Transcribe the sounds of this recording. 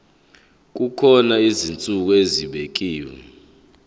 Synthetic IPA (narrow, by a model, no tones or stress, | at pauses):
k̬ukʰɔnaizint͡sʼuk̬ɔeziɓek̬ʼiːwɛ